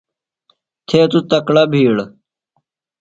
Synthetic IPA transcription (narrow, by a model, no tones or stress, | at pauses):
t̪ʰeːt̪ut̪ɐkɽabʱiːɽ